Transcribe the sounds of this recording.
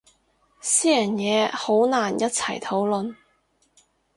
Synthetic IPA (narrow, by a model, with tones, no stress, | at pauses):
siː˥jɐ˨˩njɛː˨˧ho˨˥wnaː˨˩njɐ˥t̚t͡sʰɐ˨˩jt̪ʰo˨˥wlɵ˨n